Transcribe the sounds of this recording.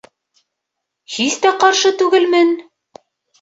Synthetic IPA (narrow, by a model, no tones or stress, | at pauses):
hist̪æqɑɾʃɤt̪ʉɡɘlmɘn